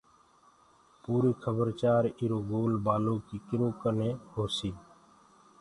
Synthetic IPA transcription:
puːɾiːkʰəbəɾt͡ʃaːɾiːɾoːɡoːlbaːlõːkiːkɪɾõːkəneːɦoːsiː

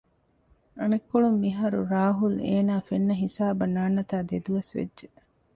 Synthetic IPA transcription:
ɐnekːoɭumːiɦɐɾuɾaːɦuleːnaːfenːɐɦisaːbɐnaːnːɐt̪aːd̪ed̪uʋɐsʋḛdʒe

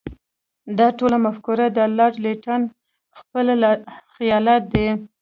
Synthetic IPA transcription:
d̪ɑʈolamafkuɾad̪əlɑɾleʈan | xpəlaxɪjɑlat̪̚d̪e

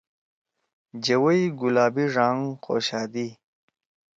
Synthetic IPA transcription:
d͡ʑɐwəjɡulaːbiʐaːŋqo̰ːɕaːd̪i

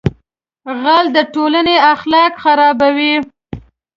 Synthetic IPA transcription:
ɣald̪əʈolaneaxlɑkxaɾɑbawi

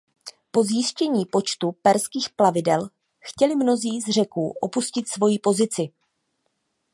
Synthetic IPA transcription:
po̞zjɪscɛɲiːpo̞t͡ʃt̪upɛɾskiːxplavɪdɛl | xcɛlɪmno̞ziːzr̝ɛkuːʔo̞puscɪt̪svo̞jiːpo̞zɪt͡sɪ

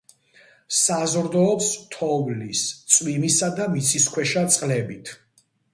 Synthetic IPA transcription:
sazɾd̪ɔːpst̪ʰɔvlist̪sʼwimisad̪amit̪sʰiskʰwɛʃat̪sʼqʼlɛbit̪ʰ

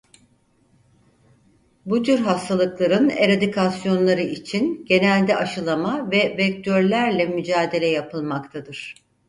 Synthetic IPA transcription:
but̪ʰyɾɦast̪ʰalˠɯklˠaɾɯne̞ɾad̪ikʰasjo̞nlˠaɾɯit͡ʃʰinɟe̞nælʲd̪ɛʔaʃɯlˠamavɛvɛc̚t̪ʰøɾlʲæɾlʲɛmyd͡ʒaːd̪e̞lʲɛjapɯlˠmakt̪ʰad̪ɯɾ̥

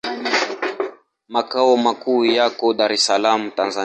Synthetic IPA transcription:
makaɔmakujakɔɗaɾɛsalamutanza

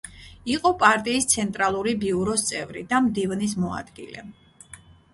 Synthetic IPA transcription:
iqʼɔpʼaɾt̪ʼiːst̪sʰɛnt̪ʼɾalˠuɾibiuɾɔst̪sʼɛvɾḭd̪amd̪ivnismɔa̰d̪ɡḭlɛ̰

